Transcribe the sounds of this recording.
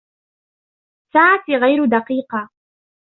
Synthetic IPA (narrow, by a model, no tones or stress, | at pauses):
saʕat̪iɣajɾʊd̪ɑqiːqɑ